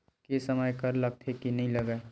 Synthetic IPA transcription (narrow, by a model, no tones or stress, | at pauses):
kesəməjkəɾləɡ̚t̪ʰekinɐɦĩləɡae